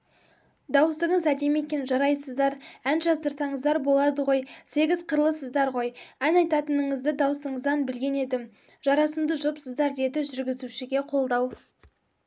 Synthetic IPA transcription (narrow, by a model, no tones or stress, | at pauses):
d̪ɑwəsəɴəzæd̪e̞me̞kʲe̞nʒɑɾɑjsəzd̪ɑɾænʒɑst̪əɾsɑɴəzd̪ɑɾbo̞lˠɑd̪əʁo̞jse̞ɡʲɪzqʰəɾlˠəsəzd̪ɑɾʁo̞jænɑjt̪ɑt̪ənəɴəzd̪ɪd̪ɑwsəɴəzd̪ɑnbɪlɡʲe̞ne̞d̪ɪm | ʒ̥ɑɾɑsəmd̪əʒʊpsəzd̪ɑɾd̪e̞d̪ɪʒʏɾɡʲɪzuʃɪɡʲe̞qʰo̞lˠd̪ɑw